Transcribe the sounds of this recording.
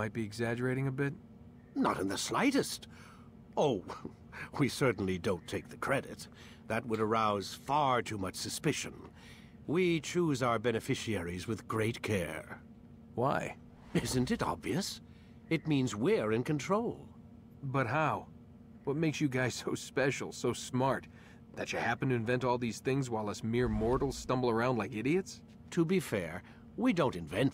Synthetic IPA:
maɪt̚b̥iɨɡzæd͡ʒə˞eɪɾɪ̃ŋɨbɪt̚ | nə̰ɾɨ̃nðəslaɪɾɨst | oʊ | wisɜ˞ʔn̩lidõʊ̃ntʰeɪk̚ðɨkʰɹ̥ɛɾɨ̰t̪̚ | ðɨt̚wəɾə˞aʊz̥fɑɹtʰumʌt͡ʃsɨspɪʃɨ̰̃n | wit͡ʃʰuzaʊə˞bɛnɨfɪʃiɛɹizwɨðɡɹeɪt̚kʰɛ̰ɹ | waɪ | ɪzɨ̃ntɨɾɑ̰bviɨs | ɨt̚mĩnzwɪɹɨ̃nkɨ̃n̩tʰɹ̥oʊlˠ | bʌt̚ɦaʊ | wʌt̚meɪksjɨɡaɪz̥soʊspɛʃl̩ˠsoʊsmɑɹt̪̚ | ðɨt͡ʃɨhæpɨ̃ntɨɨ̃ɱvɛ̃ntɔlˠðiz̥θɪ̃ŋzwaɪlˠɨsmɪɹmɔɹɾl̩ˠz̥stʌ̃mbl̩ˠə˞ãʊ̃ndlaɪkɪɾiɨts | tʰɨbifɛ̰ɹ | widõʊ̃ntɨ̃ɱvɛ̃nt

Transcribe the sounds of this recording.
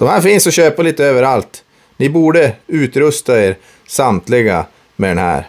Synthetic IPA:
d̪̥ɔmhæːɾfiːnsɔɕøːpaliːt̪əøːvəɾalt̪ | nɪbuːɖəʉːt̪ɾɵst̪aeːɾ | samt̪lɪɡa̰ | mɛd̪ɛnhæ̰ːɾ

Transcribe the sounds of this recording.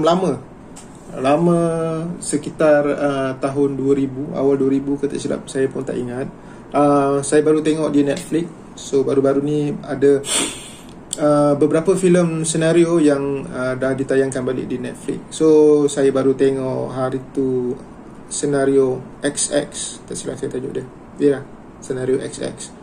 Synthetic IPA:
mlamə̃ | lamə̃səkit̪arət̪aɦʊnduəɾibua̰walduəɾibukət̪a̰ʔsila̰p̚sajapʊnt̪a̰ʔiŋat̪̚ | əsajabaɾut̪eŋɔʔ̚dinɛt̪̚flɪk̚ː | obaɾubaɾunia̰də | əbəbəɾapəfiləmsənaɾiojaŋədahdit̪ajaŋkanbalɪ̰k̚dinɛt̪̚flɪ̰k̚sosajabaɾut̪eŋɔʔɦaɾit̪u | sənaɾioʔɛksɛ̰kst̪aʔsila̰hsajat̪ad͡ʒo̰ʔdə | jəlah | sənaɾioʔɛ̰ksɛ̰k̚s

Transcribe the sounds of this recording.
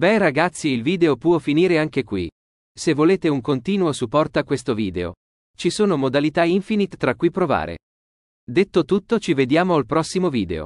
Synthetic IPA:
bɛraɡat̪sːiilviːd̪eopwɔfiniːɾeaŋkekwḭ | sevːoleːt̪euŋkont̪iːnuosupːɔrt̪oakːwest̪oviːd̪eo̰ | t͡ʃisoːnomod̪alit̪aiɱfinit̪ːɾakːujpɾova̰ːɾḛ | d̪et̪ːot̪ut̪ːot͡ʃived̪jaːmoalpɾɔsːimoviːd̪ḛo̰

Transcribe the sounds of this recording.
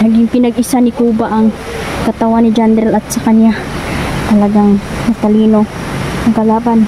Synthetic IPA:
nɐɡɪŋpɪnɐɡɪsanɪkuːbaʔɐŋ | kɐt̪ɐwanːɪd͡ʒand̪ɾɛlɐt̪̚sɐkɐɲjat̪ɐlɐɡaŋmɐt̪ɐliːno̞ɐŋkɐlaːban

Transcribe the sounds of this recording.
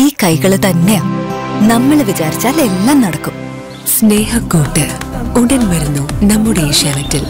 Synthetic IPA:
iːkɐjɣɐɭt̪ɐnːe̞aːmnɐmːɐɭʋit͡ɕaːɾit͡ɕːaːle̞nːɐnnɐɽɐkːum | sneːhɐkːoːʈːɨuɽɐnʋɐɾunːunɐmːuɽeiʂɐːnɐtːil

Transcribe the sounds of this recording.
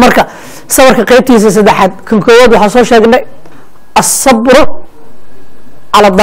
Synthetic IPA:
mɐrkʰɐ | sɐβɐrkʰɐqɛjb̚t̪ʰiːs̬ɐs̬ɐd̪ɛħaːd̪̚kʰɐŋkʰɔːwæːd̪wɑħɑːsɔːʃɛːɡnɛj | ʔɐsːɐbɾʊ | ʕɑlɐd̪

